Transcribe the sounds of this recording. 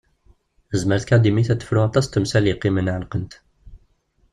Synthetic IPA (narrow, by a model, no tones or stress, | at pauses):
əzməɾt̪kæd̪imiθæt̪ːə̥fɾʊat̪ˤɑst̪əmsæliqimənʕəlqənt̪